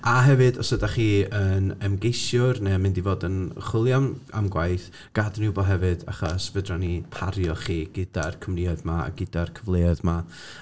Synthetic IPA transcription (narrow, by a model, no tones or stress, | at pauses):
aɦɛvɨdɔsədaχiːənɛmɡejsjʊrnɛmɪndivoːdənχɪlˠjama̰mɡwajθ | ɡ̥adnɪbɔɦɛvɨda̰χɔsvədrɔnipʰaɾjɔχiːɡ̥ɪd̥arkʰəmriɔðmaa̰ɡɪd̥arkʰəvlˠeɔðma